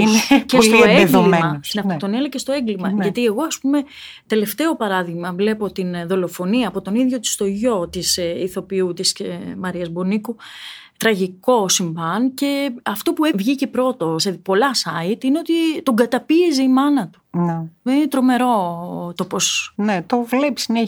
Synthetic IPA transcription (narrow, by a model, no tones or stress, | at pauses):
inecest̪oeeðɡoimmɐst̪inɐft̪ot̪o̞nelecest̪o̞e̞ŋɡlimɐʝɐt̪ie̞ɣo̞ɐspume̞ | t̪e̞le̞ft̪eo̞pɐɾɐðiɣmɐvle̞po̞t̪inðo̞lo̞fo̞niɐːpo̞t̪o̞niðʝo̞t̪i̥st̪o̞ʝo̞t̪isiθo̞piut̪isemɐɾiɐzbo̞niku | t̪ɾɐʝiko̞siɱvɐnce̞ɐft̪o̞puevʝicepɾo̞t̪o̞sepo̞lɐsɐit̪ineo̞t̪it̪o̞ɡɐt̪ɐpiezeimɐnɐt̪u̥nmenet̪ɾo̞me̞ɾo̞t̪opo̞snet̪ovlepsne